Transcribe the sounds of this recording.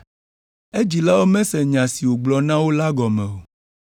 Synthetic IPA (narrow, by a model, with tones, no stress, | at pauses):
e˦d͡ʑi˨la˦wo˦mɛ̃˦sɛ˨ɲã˨si˨wo˨ɡ͡blɔ˨nã˦wo˦la˦ɡɔ˨mɛ̃˨wo˨